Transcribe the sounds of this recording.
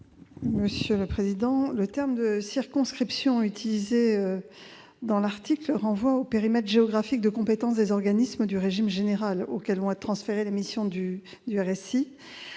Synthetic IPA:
məsjøləpχezid̪ɑ̃lət̪ɛʁmd̪əsiʁkɔ̃skχipsjɔ̃yt̪ʰilizeø | d̪ɑ̃laʁt̪ikləʁɑ̃vwaopeʁimɛt̪χʒeɔɡʁafik̚d̪əkɔ̃pet̪ɑ̃sd̪ezɔʁɡanisməd̪yʁeʒimʒeneʁalo̰kɛlɔ̃ɛt̪χɑ̃sfeʁelemisjɔ̃d̪y | d̪yɛʁɛsi

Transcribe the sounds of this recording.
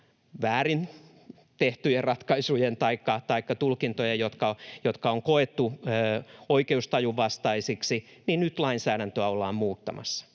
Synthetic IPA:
ʋæːɾin | t̪eht̪yjerrɑt̪kɑisujent̪ɑikːɑt̪ɑikːɑt̪ulkint̪ojɑjot̪kɑjot̪kɑoŋkoet̪ːu | oikeust̪ɑjuʋɑst̪ɑisiksi | ninnyt̪lɑinsæːɾænt̪øæolːɑːmmuːt̪ːɑ̰mɑ̰sːɑ̥

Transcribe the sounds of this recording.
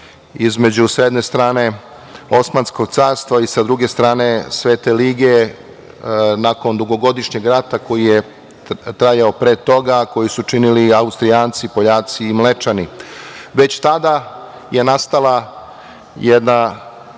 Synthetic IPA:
izme̞d͡ʑusjed̪ne̞st̪ɾaːne̞ | o̞smansko̞ɡt̪saːɾst̪ʋaisad̪ɾuɡe̞st̪ɾaːne̞sʋeːt̪e̞liɡe̞ | nako̞nd̪uɡo̞ɡo̞d̪iʃɲe̞ɡɾat̪ako̞jije | t̪ɾajaopɾet̪o̞ɡako̞jisut͡ʂiniliaust̪ɾijaːnt̪sipo̞ʎaːt̪siːmle̞t͡ʃaniʋe̞t͡ɕt̪ad̪a | jenast̪ala | jed̪na

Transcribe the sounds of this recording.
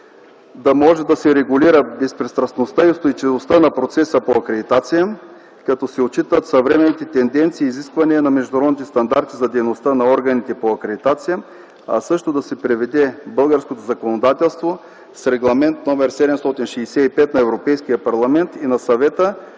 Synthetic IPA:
d̪ɐmɔʒɛd̪ɐsɛɾɛɡʊliɾəbɛspɾɛst̪ɾɐsnost̪aiost̪oit͡ʃivost̪anɐpɾot̪sɛsəpoɐkɾɛd̪it̪at̪sijə | kɐt̪ɔsɛot͡ʃit̪ət̪sɐvɾɛmɛnit̪ɛt̪ɛnd̪ɛnt̪siːziskvɐniənɐmɛʒd̪ʊnɐɾɔd̪nit̪ɛst̪ɐnd̪aɾt̪izɐd̪ɛjnost̪anɐɔɾɡɐnit̪ɛpoɐkɾɛd̪it̪at̪sijə | ɐ̰sɤʃt̪od̪ɐsɛpɾɛvɛd̪ɛbɤlˠɡəɾskot̪ozɐkonod̪at̪ɛlˠst̪vo | sɾɛɡlˠɐmɛnt̪nɔmɛɾsɛd̪ɛmst̪ɔt̪inʃɛjsɛipɛt̪nɐɛvɾopɛjskijəpɐɾlˠɐmɛnt̪inɐsɐvɛt̪ə

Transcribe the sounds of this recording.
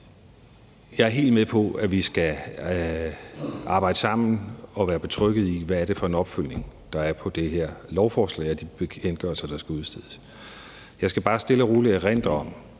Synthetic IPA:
jɑ̈ɪæɐɦe̝̰ːld̥̚meðˠpʰɒ̽æʋisɡ̥æ | ʔɑ̈ːb̥ɑ̈ɪ̰d̥əsɑ̈m̰n̩ɒ̽ʋæːɐb̥e̝t͡sʰʁœɡ̥ð̞̩ˠiʋææɐɾ̥e̝fɒ̽e̝nɒ̽b̥føl̰ne̝ŋd̥ɑ̈æɐpʰɒ̽d̥e̝ɦeɐ̰lɒʊfɒːslɛ̰ɪɒd̥ib̥e̝enɡ̥ɶɐlsɐd̥ɑ̈sɡ̥æuð̩ˠsd̥eð̰ˠs | jɑ̈ɪsɡ̥æb̥ɑ̈ːsd̥e̝ləʁuːləeʁen̰d̥ɐɒ̽m̰

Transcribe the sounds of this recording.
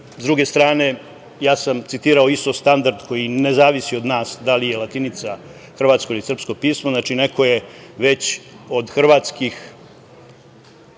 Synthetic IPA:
zd̪ɾuɡe̞st̪ɾaːne̞ | jaːsamt̪sit̪iːɾao̞ist̪o̞st̪and̪aɾd̪ko̞jine̞zaːʋisio̞d̪naːsd̪alije̞lat̪init̪sa | xr̩ʋaːt̪sko̞ilisrpsko̞piːsmoznat͡ʃine̞kʰo̞je̞ʋe̞t͡ɕo̞d̪xr̩ʋaːt̪skix

